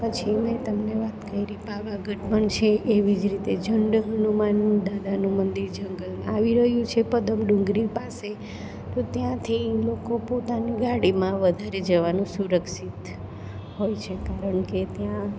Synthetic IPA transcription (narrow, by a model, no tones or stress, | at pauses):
pət͡ʃʰimẽt̪əmneʋat̪kəiɾipaʋaɡʱəʈməɳt͡ʃʰeʔeʋid͡ʒɾit̪ed͡ʒʱəɳɖɦənumanũd̪ad̪anũmənd̪iɾd͡ʒəŋɡəlaʋiɾəɦjũt͡ʃʰepəd̪əmɖũŋɡɾipase | t̪ot̪jãt̪ʰilokopot̪aniɡaɽimãʋəd̪ʱaɾed͡ʒəʋanũsuɾəksit̪ | hojt͡ʃʰekaɾəɳket̪jã